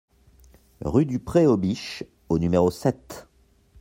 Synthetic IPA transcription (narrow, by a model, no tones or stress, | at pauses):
ʁyd̪ypχeobiʃ | onymeʁosɛt̪